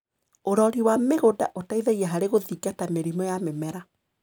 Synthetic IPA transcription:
oɾɔɾiwameɣoda̰ʔotaiðɛɣiɛɦaɾeɣoðikatameɾimɔjamemɛɾa

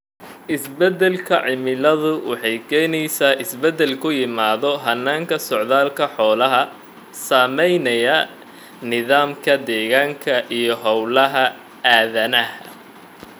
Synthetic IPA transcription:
ʔɪsbɛd̪ɛlkʰɐʕɪmɪlɐðʊwɑ̰ħɑjkʰɛːjnɛjsaːʔɪsbɛd̪ɛlkʰʊjɪmaːðɔɦɐnːaːŋkʰɐsɔʕðaːlkʰɐħɔːlɐɦɐ | saːmɛjnɐjɐ | nɪðaːmkʰɐd̪ɛːɣaːŋkʰɐʔijɞɦɔwlɐɦɐ | aːðɐnɐhɐ̰

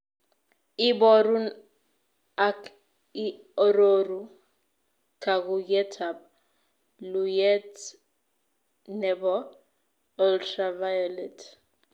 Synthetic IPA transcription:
ibɔɾun | ak | i | ɔɾoɾu | kʰak̬ujɛtʰab̚ | lujɛt | nɛbɔ | ɔltʰravajɔlɛtʰ

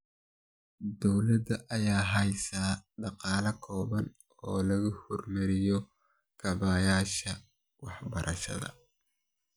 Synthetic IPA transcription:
d̪ɔwlɐd̪ɐʔɐjaːɦɐjsaːɖɑqɑːlɐkʰɔːβɐn | ɔːlɐɣʊhɔrmɐɾɪjɔ | kʰɐβaːjaːʃɐ | wɑħbɐɾʔɐ̰ʃɐ̰ðɐ̰

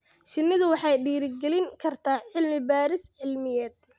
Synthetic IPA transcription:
ʃɪnːɪðʊwɑħɑjɖiːɾɪɡɛlɪŋkʰɐrt̪ʰaːʕɪlmɪbaːɾɪsʕɪlmɪjɛːd̪̥̚

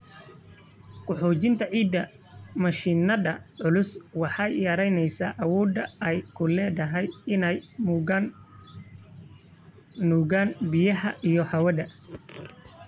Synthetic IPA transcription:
kʰʊħɔːt͡ʃɪnt̪ʰɐʕiːd̪ːɐ | mɐʃiːnɐðɐʕʊlʊswɑħɑjjɐɾɛjnɛjsaːʔɐwɔːd̪ɐɛjkʰʊlɛːðɐɦɛjɪnɛjm | uːɣaːnbɪjɐɦɐʔijɔhɐwɐdɐ

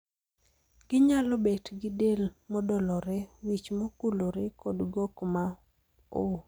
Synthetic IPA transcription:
ɡ̥ɪɲalɔbetɡɪdelmɔdɔlɔɾɛwit͡ʃmokuloɾekodɡokma | o

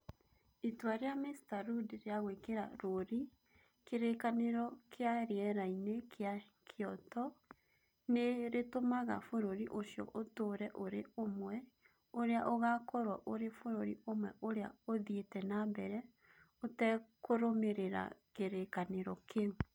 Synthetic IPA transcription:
itwaɾeamestaɾudeɾeaɣwekeɾa̰ɾoɾi | keɾekaneɾɔkʰeaɾeɛɾainekʰea | kʰeɔtɔ | neɾetomaɣa̰foɾoɾiʔosjɔ̰ʔotoːɾɛʔoɾeomwɛ | oɾeaʔoɣakɔɾwaʔoɾefoɾoɾiomwɛʔoɾea̰oðietɛnambɛɾɛ | otɛkoɾomeɾeɾa̰keɾekaneɾɔkeu

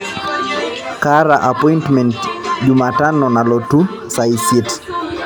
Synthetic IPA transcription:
kaɾaʔapɔjntmɛ̃ntd͡ʒumatanɔnalɔtu | sajsit

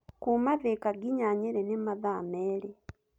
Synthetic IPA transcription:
kumaðekaɡiɲaɲeɾenemaðameːle

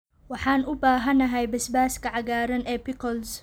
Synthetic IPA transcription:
wɑħɑːnʊbaːɦɐnɐɦɛjbɐsbaːskʰɐʕɑɣaːɾɐnʔɛːpɪkʰɔls

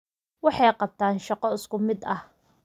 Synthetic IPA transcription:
wɑħɑjqɑb̚t̪ʰaːnʃɑqɔɪskʊmɪd̪ɐh

